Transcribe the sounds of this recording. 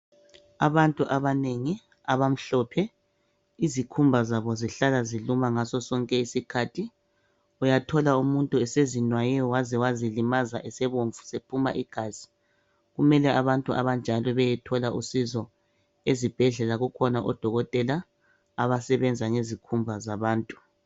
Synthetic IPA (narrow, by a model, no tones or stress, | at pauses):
aβantʼuʔaβaneŋi | aβam̩ɬɔpʰɛ | izikʰumbʱazaβɔziɬalazilumaŋasɔsɔŋkʼɛisikʰaːtʰi | ujatʰɔlaumuntʼuɛsezinwajɛɔwazɛwazilimazaʔɛsɛβoɱfu̥sepʰuma̰ʔiɡ̥ʱaːz̥i | ɣumɛlɛaβantʼuʔa̰βand͡ʒʱalɔβɛjɛtʰɔlaʔusizɔ | ezib̥ʱɛɮɛlaɣukʰɔnaʔɔ̰d̥ʱɔɣɔtʼɛlaː | βasɛβɛnd͡zʱaŋezikʰumbʱazaβaːntʼu̥